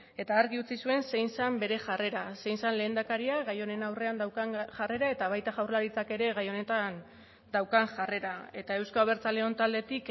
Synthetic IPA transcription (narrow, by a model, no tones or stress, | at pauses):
e̞t̪aːɾɣiut͡sisue̞nse̞jnsambe̞ɾe̞ʝare̞ɾase̞jnsanle̞ːnd̪akaɾiaɣajo̞ne̞nawre̞and̪awkaŋʝare̞ɾae̞t̪aβ̞ajt̪aʝawrlaɾit͡sake̞ɾe̞ɣajo̞ne̞t̪an | d̪awkaŋʝare̞ɾae̞t̪ae̞wskaoβ̞e̞ɾt͡saleo̞nt̪ald̪e̞t̪ik